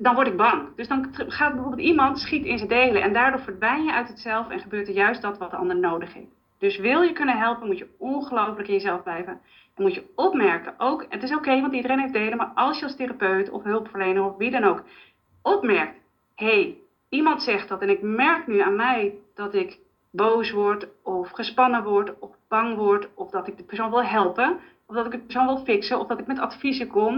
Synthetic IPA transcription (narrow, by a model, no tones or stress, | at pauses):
dɔnʋɔɹtɪɡ̚bɑŋdøsdɑnχaːtbəvoːbɪlˠtimɑntsχitɪnzədejləʔɛ̰ndaːɹdʊːɹfəɹdʋɛjnjəʔœɥtətsɛlˠfɛ̰nχəbøːɹtəɹjœɥstɔtʋɔtəɑ̰ndəɹnowdəχhḛft | d̥øsʋɪlˠjəkønənɦɛlˠpənmutjəɔnχəlowfələkɪnjəzɛlˠvblɛjvən | ɛnmutjəɔpmɛɹkəʔowkətɪsokejimɑntdidəreːnɦefdejləmaɹʔɑlˠsjəɑlsterapøɥtʰɔ̰fɦɵlˠpfəɹlejnəŋɔfʋidɔnowk | ɔpmɛɹk̚t | hej | imɑntsɛxt̚dɔtɛnɪkmɛrknyaːnmɛjd̥ɔtɪk | bowsʋɔrtɔfχəspɑnəʋɔɹtɔfb̥ɑŋʋɔɹtɔfdɔtɪk̚dəpɛɹsownʋɪlˠɦɛlˠpə | ɔvdɔtɪkɡdəpərs̬oːnʋɪlˠfɪksəɔfdɔtɪkmɛtatfizəkɔm